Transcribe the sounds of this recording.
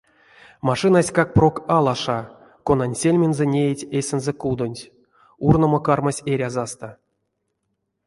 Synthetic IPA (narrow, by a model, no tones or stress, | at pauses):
maʂɨnasʲkak̚prokalˠaʂa | konanʲsʲelʲmʲenzɛnʲejetʲesʲenzɛkud̪onʲtʲ | urnomokarmasʲeɾʲazast̪a